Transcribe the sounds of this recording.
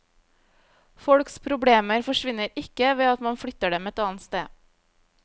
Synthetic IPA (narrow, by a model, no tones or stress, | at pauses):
fɔɽkspʰɾʊbɽeːməɾfɔʃʋɪnəɾɪkəʋeːɑt̪mɑnfɽʏt̪əɖɛmɛt̪ɑːn̩t̪st̪eː